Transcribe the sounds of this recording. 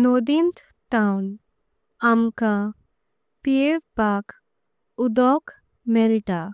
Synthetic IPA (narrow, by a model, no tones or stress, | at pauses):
nod̪int̪ | tawn | amkã | pieʋpak | ud̪ɔk | mɛlʈa